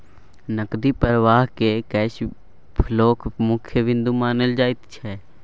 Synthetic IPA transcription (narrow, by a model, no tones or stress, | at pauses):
nəkd̪ipəɾʋaːɦkekɛːʃ | pʰəloːkʰmʊkʰjəʋɪ̃nd̪umãːnəld͡ʒaːɪt̪t͡ʃʰɛː